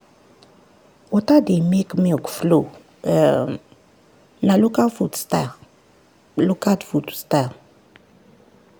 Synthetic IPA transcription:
wɔtademekmekflo | nalukafutsta | lukatfutsta

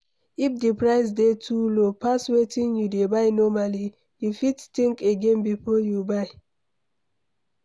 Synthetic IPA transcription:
ifdipɹaɪs̬detʰulopaswetĩnjudebaɪnɔmali | difittĩŋkeɡẽnpipoljubaɪ

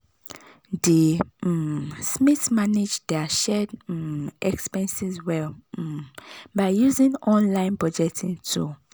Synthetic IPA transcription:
di | smitmaned͡ʒdɛaʃɛd | ɛkspɛ̃nsizwɛl̩ | baɪjuzĩnɔ̃nlãɪ̃npɹɔd͡ʒɛtʰĩntʰu

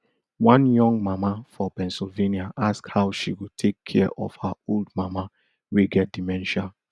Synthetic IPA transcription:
wãnjɔ̃ŋɡmamafɔpɛ̃nsilveniaʔaskhaʊʃiwutʰekʰːɛʔɔ̰fhaoldmama | weɡɛt̚d̥imɛ̃nʃãn

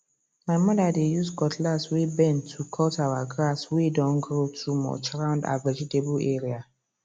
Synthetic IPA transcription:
maɪmɔðadejusɡɔtʰlaswebɛ̃ntʰukʰɔtaʊaɡɹaswedɔ̃nɡɹotʰumɔ̰t͡ʃɹãʊ̃nda̰vɛd͡ʒitebleɹia

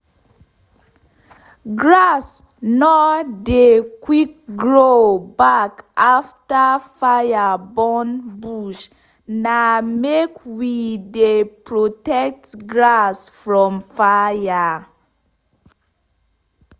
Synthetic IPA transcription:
ɡɹas | nɔdekwik̚ɡɹobakaftəfajabɔnbuʃ | namekwidepɹotɛk̚tɡɹasfɹɔ̃mfaja

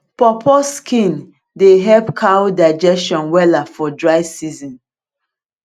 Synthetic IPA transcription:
pɔpʰɔskʰĩn | deɦɛpkʰawdaɪd͡ʒɛstɔ̃nwɛlafɔdɹaɪsizɔ̃n

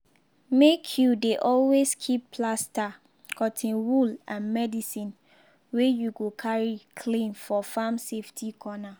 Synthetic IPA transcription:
mekʰjudeʔɔlweskʰipʰːlasta | kʰɔtʰĩnwulãnmɛdisĩn | wejuɡokʰaɹikʰlĩnfɔfamseftʰikʰɔna

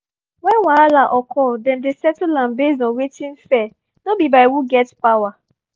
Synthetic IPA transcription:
wɛ̃nwaalaʔɔkʰɔdɛ̃mdesɛtulãmbezɔ̃wetĩnfɛ | nobibaɪwuɡɛtpawa

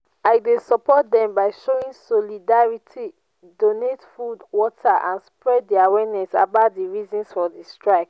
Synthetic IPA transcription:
aɪdesɔpɔt̚dɛ̃mbaɪʃoĩnsɔlidaɹitʰi | donetfudwɔtʰaʔãnspɹɛddiawɛnɛsa̰baʊt̚diɹizɔ̃nsfɔdistɹaɪk

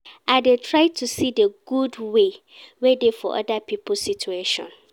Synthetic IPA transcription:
adetʰɹaɪtʰusideɡ̥udwe | wɛdefɔ̰ʔɔ̰dapʰipʰl̩sit͡ʃueʃɔ̰̃n

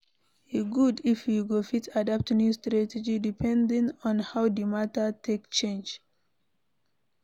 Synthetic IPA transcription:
jiɡudifjuɡofitʰadap̚tnjustɹatɛd͡ʒidipʰɛ̃ndĩŋɔ̃nhawdimatətʰekt͡ʃẽnd͡ʒ

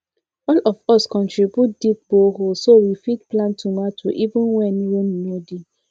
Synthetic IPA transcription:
ɔlɔfɔskɔ̃ntɹibut̚d̥ip̚boɦolsoɹifitplãntʰumatʰuʔivũnwɛnɹonmodi

